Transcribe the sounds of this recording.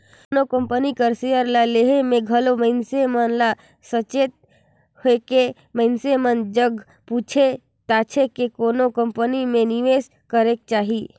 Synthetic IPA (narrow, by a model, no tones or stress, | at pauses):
nokə̃mpənikəɾsejəɾlaleːɦemẽɡʱɐlomə̃ɪnsemənla | sət͡ʃeːt̪̚ | heke | mə̃ɪnsemənd͡ʒəɡ | puːt͡ʃʰe | t̪aːt͡ʃʰekekoːnokəmpənimẽniʋeːs | kəɾek̚t͡ʃaːɦi